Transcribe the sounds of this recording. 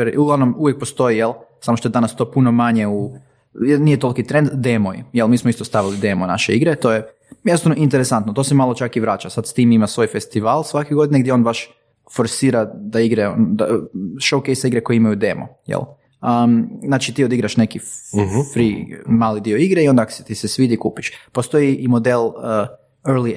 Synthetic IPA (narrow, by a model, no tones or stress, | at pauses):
eɾuɡlaʋnomuʋjek̚po̞st̪o̞ijelsamoʃt̪od̪anast̪o̞ːpuno̞maɲe̞u | jenijet̪o̞lˠkit̪ɾend̪d̪emojḭjelmiːsmoist̪ost̪aʋilid̪e̞mona̰ʃeiɡɾet̪o̞ːje | jed̪sanoʔint̪eɾesant̪not̪o̞semalot͡ʃakiʋɾaːt͡ʃasad̪st̪iːmimasʋo̞ːjfe̞st̪iʋaːlˠsʋakeɡo̞d̪ineɡd̪jeo̞nbaʃ | fo̞ɾsiːɾad̪aiɡɾeond̪a̰ʃowkejsaiɡɾeko̞jeimajud̪emo̰jḛlˠ | ənat͡ʃit̪iːod̪iɡɾaʃnekifɾḭmaːlid̪ioiɡɾeio̞nd̪aako̥set̪isesʋiːd̪ikuːpiʃpost̪o̞jiʔimo̞d̪elə | eɾli